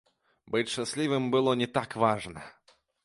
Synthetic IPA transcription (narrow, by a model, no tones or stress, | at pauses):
bɨt͡sʲʃʂasʲlʲivɨmbɨlˠɔnʲɛt̪akvaʐnɐ